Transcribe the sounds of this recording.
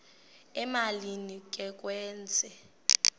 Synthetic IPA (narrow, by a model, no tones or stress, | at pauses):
ɛmalinik̬ʼɛk̬ʼwɛːnt͡sʼɛ